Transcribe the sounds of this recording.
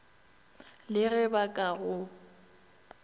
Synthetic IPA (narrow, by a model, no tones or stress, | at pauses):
lɪɣɪbakʼaɣʊ